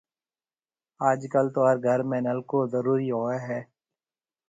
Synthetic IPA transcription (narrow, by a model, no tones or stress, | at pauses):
aːd͡ʒkəlt̪oəɾɡʱəɾmɛ̃ːnəlkozəɾuːɾiɦoːaɦɛː